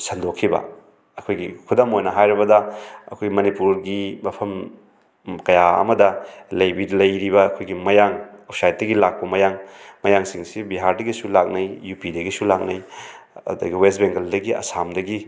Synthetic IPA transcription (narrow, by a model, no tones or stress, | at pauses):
sɐndokʰːibɐ̰ | ɐkʰojɡikʰudɐmojnɐɦajɾɐbɐdɐɐ̰kʰojɡmɐnipuɾɡimɐpʰɐm | kɐjaɐ̰mɐdɐlɐjbidlɐjɾibɐːkʰojɡimɐjaŋopsajt̚dɐɡilak̚pɐmɐjaŋmɐjaŋsiŋsibiɦaɾdɐɡisulak̚nɐjjupidɐɡisulak̚nɐj | ɐ̰dɐɡiwestbeŋɡɐldɐɡiɐ̰samdɐɡi